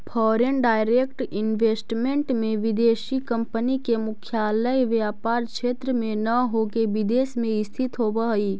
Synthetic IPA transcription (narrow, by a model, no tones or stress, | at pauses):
pʰɔːɾenɖaːɪɾeːkʈɪnʋeːsʈmẽɳʈmẽʋɪd̪eːʃikɐ̃mpənikemʊkʰjaːləjʋjaːpaːɾʃeːt̪ɾəmẽnɐɦoɡeʋɪd̪eːsmẽɪst̪ʰɪt̪ɦobəɦiː